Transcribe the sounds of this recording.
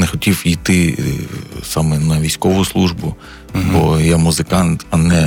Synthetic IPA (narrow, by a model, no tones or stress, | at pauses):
nɛxɔtʲiwijt̪ɪ | sɑmɛnɐʋʲijsʲkɔʋʊslˠuʒbʊ | bɔjamʊzɪkɑnt̪ɐnɛ